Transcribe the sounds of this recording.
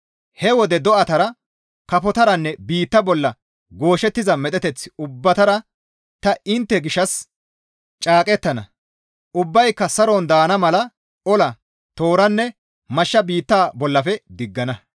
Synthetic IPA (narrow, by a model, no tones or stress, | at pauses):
hɛwɔd̪ɛd̪ɔʔɐt̪ɐɾɐ | kɐfɔt̪ɐɾɐnːɛbiːt̪ːɐbɔlːɐ | ɡo̞ːʃɛt̪ːɪzɐmɛt̪ʼɛt̪ɛt͡sːɪ̥ʊbːɐt̪ɐɾɐ | t̪ɐɪnt̪ːɛɡɪʃːɐs | t͡ʃʼaːkʼɛt̪ːɐnɐ̰ | ʔʊbːɐjkːɐsɐɾond̪aːnɐmɐlɐ | ɔlɐ | t̪o̞ːɾɐnːɛ | mɐʃːɐbiːt̪ːaːbɔlːɐfɛd̪ɪɡːɐnɐ